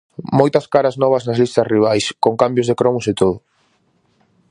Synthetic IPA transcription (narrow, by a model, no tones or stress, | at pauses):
mojt̪ɐskaɾɐznɔβ̞ɐznɐzlist̪ɐsriβ̞ajskoŋkambjʊzðekɾɔmʊset̪oðʊ